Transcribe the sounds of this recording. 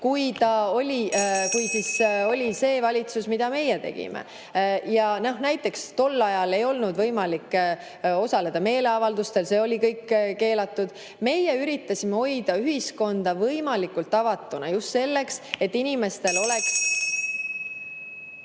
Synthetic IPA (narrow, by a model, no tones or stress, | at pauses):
kujt̪ɑo̞lʲikujsiso̞lʲise̞ːvɑlʲit̪susmid̪̥ɑme̞jet̪e̞̰ɡ̥ḭmḛ | jɑno̞hnæjt̪ːˑe̞kst̪o̞lːɑjɑle̞jo̞lnud̪vɤjmɑlikː | o̞sɑle̞d̪̥ɑme̞ːle̞ɑvɑld̪ust̪e̞lse̞ːo̞lʲikɤjkːke̞ːlɑt̪ːˑud̪̥ | me̞jeyɾit̪ːˑɑsimeo̞jd̪̥ɑyɦisko̞nd̪̥ɑvɤjmɑlikːˑult̪ːˑɑvɑt̪ːˑunɑjust̪se̞lːe̞kse̞t̪ːinime̞st̪e̞lo̞leks